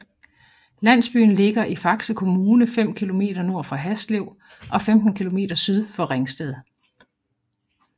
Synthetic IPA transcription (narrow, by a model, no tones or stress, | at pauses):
læn̰sb̥y̰ːn̩le̝ɡ̥ɐʔifɑ̈ɡ̥səkʰo̝muːnəfem̰kʰilo̝me̝̰ːd̥ɐno̝ɐ̰fʁɑ̈ɦæsd̥le̝ʊ̰ | ʔɒ̽femd̥n̩kʰilo̝me̝̰ːd̥ɐsyð̞ˠfɒ̽ʁeŋsd̥ɛð̞ˠ